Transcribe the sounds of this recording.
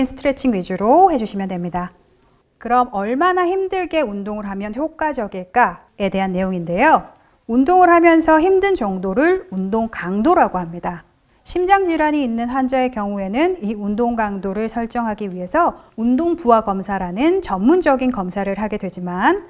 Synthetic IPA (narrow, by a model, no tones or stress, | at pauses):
insʰɯ̥tʰɯɾe̞t͡ɕʰiŋɥid͡ʑuɾohe̞d͡ʑuɕʰimjʌndwemɲida | kɯɾʌmʌɭmanaçimdɯɭɡe̞undoŋɯɭɦamjʌnçjok͈ad͡ʑʌɡiɭk͈a | e̞de̞ɦanːe̞joŋinde̞jo | undoŋɯɭɦamjʌnsʰʌçimdɯnt͡ɕʌŋdoɾɯɭundoŋkaŋdoɾaɡohamɲida | ɕʰimd͡ʑaŋd͡ʑiɾwaɲiːnːɯnɸwand͡ʑae̞kjʌŋue̞nɯniundoŋɡaŋdoɾɯɭsʰʌɭt͡ɕ͈ʌŋɦaɡiɥiɦe̞sʰʌundoŋpuaɡʌmsʰaɾanɯnt͡ɕʌmːund͡ʑʌɡinkʌmsʰaɾɯɭɦaɡe̞dwe̞d͡ʑiman